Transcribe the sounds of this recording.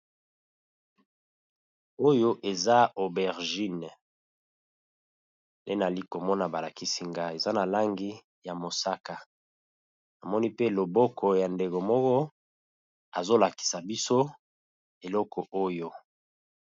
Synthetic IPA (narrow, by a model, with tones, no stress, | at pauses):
o˦jo˦ʔe˨za˦o˨bɛ˨ʁʒi˦n˨ | nʔe˦na˨li˦ko˨mɔ˦na˨ba˨la˨ki˨si˨ŋɡa˨e˨za˦na˨la˦ŋɡi˦ | ja˨mo˨sa˦ka˨ | na˨mɔ˦ni˦pe˦lo˨bɔ˦kʰɔ˨ja˨nde˨ko˨mɔ˦kɔ˦ | a˨zo˦la˨ki̥˨sa˨bi˦so˦ | e˨lɔ˦kɔ˨ʔo˦jo˦